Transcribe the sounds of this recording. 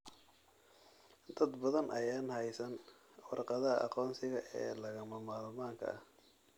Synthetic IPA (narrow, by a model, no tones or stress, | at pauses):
d̪̥ɐd̪bɐðɐnʔɐjaːnɦɛjsɐn | wɑrqɑðɐɦɐʔɑ̰qɔːnsɪɣɐʔɛːlɐɣɐmɐmaːlmaːŋkʰɐ̰ʔɐh